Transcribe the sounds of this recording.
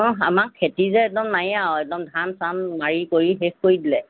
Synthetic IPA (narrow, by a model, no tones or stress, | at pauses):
ɔ̃amakʰːetizɛɛk̚dɔmnajawɛk̚dɔmdʱansanːaɹikoɹiɦexkoɹidilɛ